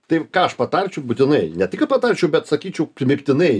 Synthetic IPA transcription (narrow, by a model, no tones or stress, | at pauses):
t̪ɐɪkɑːɐʃpɐt̪ɐɾʲt͡ʃʲɛʊbʊt̪ʲɪnɐɪnʲɛt̪ʲɪkpɐt̪ɐɾʲt͡ʃʲɛʊbʲɛt̪sɐkʲiːt͡ʃʲɛʊpʲmʲɪkt̪ʲɪnɐɪ